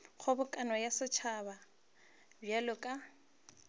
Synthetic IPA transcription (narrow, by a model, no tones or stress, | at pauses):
χʰʊbʊkʼanwajasɪt͡ʃʰaba | bjalʊkʼa